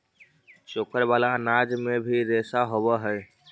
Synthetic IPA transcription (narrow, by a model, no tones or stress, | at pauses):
t͡ʃokəɾbalanad͡ʒmebʱiɾesaɦoβəɦəj